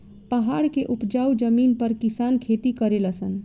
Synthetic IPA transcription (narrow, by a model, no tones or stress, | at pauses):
pəɦaɽkeʔupd͡ʒaud͡ʒəminpəɾkisankʰet̪ikəɾeləsən